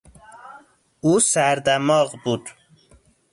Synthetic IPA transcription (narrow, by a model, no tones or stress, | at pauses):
usæɾd̪æmɑːʁbud̪